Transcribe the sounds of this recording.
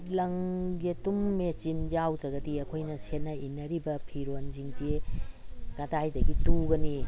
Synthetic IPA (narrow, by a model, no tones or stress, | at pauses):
lɐŋɡetumːet͡ʃinjawdɾɐɡɐdiɐkʰojnɐsenːɐinːɐɾibɐpʰiɾonziŋd͡ʒie | ɡɐdajdɐɡituɡɐni